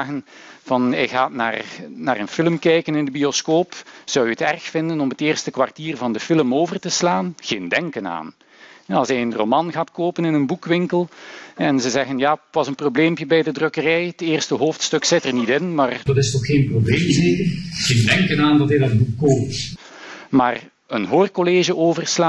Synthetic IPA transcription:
ɣənvɑnɛɣaːtna̰ːrnaːrənfɪləmkɛjkənɪndəbioskoːpz̥ɑwjəətɛrxfɪndənɔmətɪːrstəkʋartiːrvɑndəfɪləmoːvərtəslaːnɣeːndɛŋkəna̰ːn | ɛɑlˠsɛjənromɑnɣaːtkoːpənɪnənbukʋɪŋkəlˠɛnzəzɛɣənjaːtʋɑzənprobleːmpjəbɛjdədrɵkərɛjəteːrstəɦoːftstɵksɪtərnitɪnmaːrdɑtɪstɔxxeːnprobleːmzeːkəɣeːndɛŋkənaːndɑtɦɛjdɑd̚bukːoːp̚t | maːr | ənɦoːrkoleːʒəʔoːvərsla

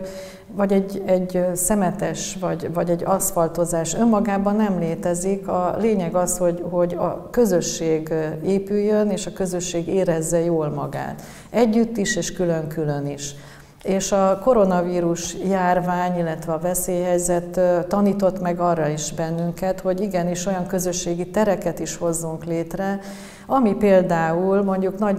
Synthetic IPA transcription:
vɒɟɛɟɛɟsɛmɛt̪ɛʃvɒɟvɒɟɛɟːɒsfɒlt̪o̞zaːʃø̞mːɒɡaːbɒnːɛmleːt̪ɛzikɒleːɲɛɡɒsho̞ɟho̞ɟɒ̰kø̞zø̞ʃːeːɡeːpyjːøneːʃɒkø̞zø̞ʃːeːɡeːɾɛzːɛjoːlmɒɡa̰ːt̪ | ɛɟːyt̪ːiʃeːʃkylø̞ŋkyløniʃ | eːʃɒko̞ɾo̞nɒviːɾuʃjaːrvaːɲilːɛt̪ʋɛɒvɛseːjɦɛjzɛt̪ːtːɒniːt̪o̞t̪mɛɡɒːrːɒiʒbɛnːyŋkɛt̪ho̞ɟiɡɛniʃo̞jɒŋkø̞zø̞ʃːeːɡit̪ɛɾɛkɛt̪iʃho̞zːuŋkleːt̪rɛ | ɒmipeːld̪aːulmo̞ɲɟuknɒ

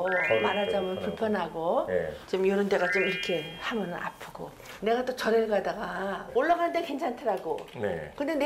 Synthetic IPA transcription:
maɾad͡ʑamjʌnpuɭpʰjʌnɦaɡot͡ɕimjoɾɯnde̞ɡat͡ɕomiɾɯkʰehamjʌnɯnʔa̰pʰɯɡo | neɡat͈ot͡ɕʌɾeɭɡadaɡaoɭːaɡanɯndekwent͡ɕʰantʰɯɾaɡonḛkɯnden

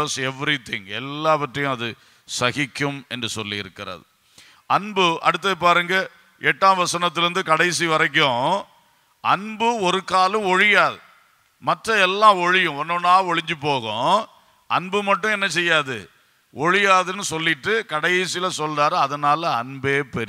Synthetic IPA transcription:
ɐsɛʋɾɪt̪ɪŋɛ̰lːaːʋɐʈrɐjʊ̃ɐðɯ | sɐɣɪkːɯmɛndrɯsɔlːiɪɾɯkːɪɾɐ̰ðɯ | ɐɳbɯʔɐ̰ɽɯt̪̬ːɐɯpːaːɾɯːŋɡɐ | ɛʈːãːʋɐsɐnɐt̪̬ːɪlɾɯnd̪ɯkɐɽɐɪsiʋɐɾɐk̬ːʊ̃ | ɐɳbɯɔɾɯkaːlɯ̃ɔɻɪjaːðɯ | mɐʈrɐɛlːãːɔɻɪjʊ̃ɔnːõnaːɔɻɪɲd͡ʒɯpːoːɣʊ̰̃ | ɐnbɯmɐʈːʊ̃ɛnːɐsɛjːaːðɯ̰ | ɔɻɪjaːðɯnːɯsɔlːɪʈːɯkɐɽɐɪsɪjlɐsɔlraːɾɐðɐnaːlɐɐnbeːpɛɾɪ

